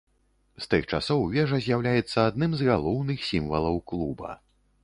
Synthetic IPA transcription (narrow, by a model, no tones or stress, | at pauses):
st̪ɨxt͡ʂasɔwvʲɛʐɐzʲjawlʲajɛt̪sːɐad̪̚nɨmzɣalˠɔwnɨxsʲimvɐlˠɐwklˠubɐ̰